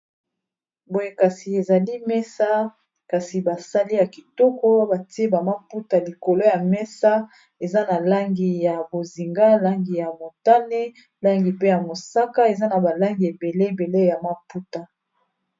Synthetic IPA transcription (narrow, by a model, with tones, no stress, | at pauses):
bo˨je˦ka˨si˨e˨za˨li˦mɛ˦sa˦ | ka˨si˨ba˨sa˦li˦ja˨ki̥˨tɔ˦kɔ˦ba˨ti˦e˦ba˨ma˦pu˦ta˨li˨ko˨lo˦ja˨mɛ˦sa˦ | e˨za˦na˨la˦ŋɡi˨ja˨bo˨zi˨ŋɡa˦la˦ŋɡi˨ja˨mo˨ta˦ne˦ | la˦ŋɡi˨pe˦ja˨mo˨sa˦ka˦e˨za˦na˨ba˨la˦ŋɡi˨e˨be˨le˦˨be˨le˦ja˨ma˦pu˦ta˨